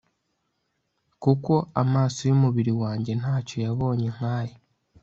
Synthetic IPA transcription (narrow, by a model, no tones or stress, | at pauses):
kuko̞amaːsojumuβiɾiwaːɲɟe̞n̥aːco̞jaβo̞ːɲe̞ŋ̥haːje